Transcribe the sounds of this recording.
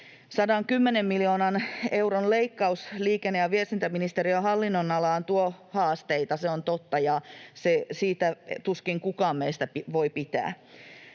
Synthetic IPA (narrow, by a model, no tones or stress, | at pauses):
sɑdɑŋkymːenemːilioːnɑne̞uronleikːɑusliːkenːejɑʋiest̪int̪æminist̪eɾiøɦɑlːinːonɑlɑːnt̪uohɑːst̪eit̪ɑseont̪ot̪ːɑjɑsesiːt̪æt̪uskiŋkukɑːmmeist̪æpʋo̞ipit̪æ̰ː